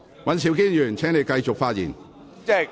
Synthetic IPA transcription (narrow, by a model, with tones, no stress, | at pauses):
wɐ˨˥nsi˨˧wkiː˥njyː˨˩nt͡sʰɛː˨˥ŋne˨˧jkɐ˧jt͡sʊ˨k̚faː˧t̚jḭː˨˩n | ɛ˥